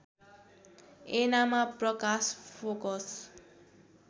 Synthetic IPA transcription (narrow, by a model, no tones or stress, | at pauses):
enamaprʌkaspʰokɔs